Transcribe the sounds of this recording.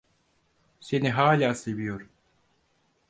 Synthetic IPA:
se̞niɦaːlʲaːse̞vijo̞ɾu

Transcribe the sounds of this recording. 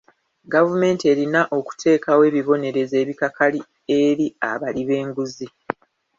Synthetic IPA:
ɡavume̞ːntie̞ɾinaʔo̞ku̥tʰe̞ːkawe̞ːβiβo̞ne̞ɾe̞ze̞ːβikakʰali | e̞ɾia̰βaliβe̞ːŋɡuzi

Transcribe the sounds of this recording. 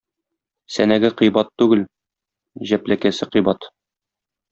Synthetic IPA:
sænæɡɘqijbɑt̪ːʉɡɘl | ʑæplækæsɘqɤjbɑt̪

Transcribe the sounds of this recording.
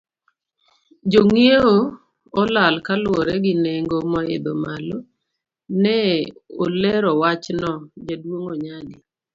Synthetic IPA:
d͡ʒoŋieo | ɔlalkalwɔɾɛɡɪneŋɡomɔḛdomalo | nɛo̰lɛɾɔwat͡ʃnɔd͡ʒadwoŋoɲadi

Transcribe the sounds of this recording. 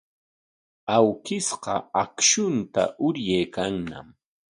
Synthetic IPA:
awkɪsqɑ̰akʃʊnt̪a̰ʔʊɾjejkaŋna̰m

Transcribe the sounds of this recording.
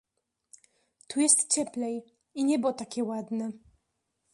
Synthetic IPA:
t̪ujɛst̪t͡ɕɛplɛj | iɲɛbɔt̪akʲɛwad̪nɛ

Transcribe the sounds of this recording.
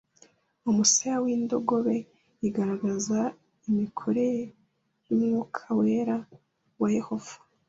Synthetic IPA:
umusajawiːndo̞ɡo̞βe̞ | iɡaɾaɡaza | imikʰo̞ɾe̞ | jumŋuːkʰawe̞ːɾa | waje̞ho̞v̥ḁ

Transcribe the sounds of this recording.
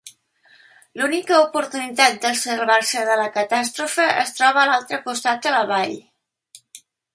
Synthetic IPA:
lunikəupuɾt̪unit̪at̪̚d̪əsəɾβaɾsəðələkət̪ast̪ɾufəʔə̰st̪ɾɔβ̞əːlalˠt̪ɾəkust̪at̪̚d̪ələβaʎ

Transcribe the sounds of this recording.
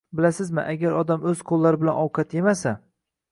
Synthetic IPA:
bɪlasɪzmɪ̰ʔaɡʲaɾɒd̪amɵz̥qʰolˠːaɾɪbɪlanɒwqʰɑt̪ʰjemasa

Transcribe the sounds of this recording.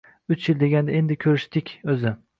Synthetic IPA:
ʊt͡ʃʰjɪld̪e̞ɡʲand̪aend̪ɪkʲʰɵɾɪʃt̪ɪkʲɵzɪ

